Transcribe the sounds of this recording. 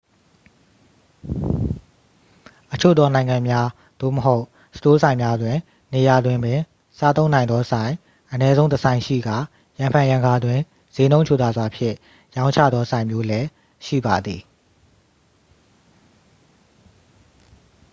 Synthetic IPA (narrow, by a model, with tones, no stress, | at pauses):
ʔət͡ɕʰo̰˦˨d̪ðɔ˦nã˨ɪ̃ŋã˨mja˦ | d̪̥o̰˦˨məɦo˦ʊʔ | sə̥to˦sʰã˨ɪ̃mja˦dwɪ̃˨ | ne˨ja˨dwɪ̃˨mbɪ̃˨ | sa˦t̪õ˦ʊ̃nã˨ɪ̃nd̪ɔ˦sʰã˨ɪ̃ | ʔənɛ˦zõ˦ʊ̃ntəsʰã˨ɪ̃ʃḭ˦˨ɡa˦˨ | jã˨mpʰã˨jã˨ŋɡa˨dwɪ̃˨ | z̥e˨˦nõ˦ʊ̃t͡ɕʰo˦˨t̪a˨zwa˨pʰjɪ̰̃˦˨ | jã˦ʊ̃ɲt͡ɕʰä̰˦˨d̪ðɔ˦sã˨ɪ̃mjo˦lɛ˦ | ʃḭ˦˨ba˨d̪ðḭ˨